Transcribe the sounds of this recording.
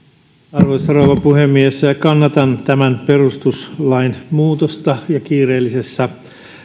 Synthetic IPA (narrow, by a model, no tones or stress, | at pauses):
ɑrʋojsːɑrouʋɑpuhemːieskɑnːɑt̪ɑnt̪æmænperust̪uslɑinmuːt̪ost̪ɑjɑkiːreːlːisesːæ